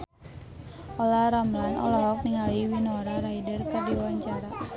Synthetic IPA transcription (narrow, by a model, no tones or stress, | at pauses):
ʔɔlaɾamlanʔɔ̰lɔɦɔk̚niŋaliwinɔɾaɾaidərkadiwaɲt͡ʃaɾa